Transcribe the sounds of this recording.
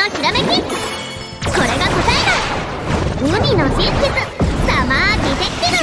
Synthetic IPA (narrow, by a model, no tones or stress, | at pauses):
oçʲiɾamekʲi | ko̞ɾe̞ɡakɯt̪aeɾa | ɯmʲinosikʲizɨsamaːkʲit̪ekʲːin